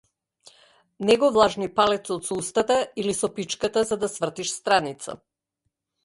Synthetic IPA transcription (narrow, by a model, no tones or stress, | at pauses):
nɛɡɔvlˠaʒnipalɛt̪sɔt̪sɔust̪at̪ailisɔpit͡ʃkat̪azad̪asvr̩t̪iʃst̪ɾanit̪sa̰